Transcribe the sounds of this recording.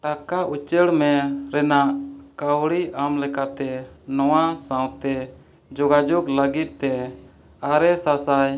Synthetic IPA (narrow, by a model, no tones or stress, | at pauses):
ʈakaʔut͡ʃəɽmɛ̃ɾɛnaʔkawɽiʔamlɛkat̪ɛnɔwasawt̪ɛ | d͡ʒɔɡad͡ʒɔɡləɡit̪̚t̪ːɛ | aɾɛsasaj